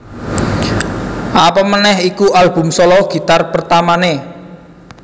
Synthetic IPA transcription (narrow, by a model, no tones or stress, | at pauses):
ʔapɔmənɛhikuʔalb̥ṳmsɔlɔɡ̥i̤t̪arpərt̪amane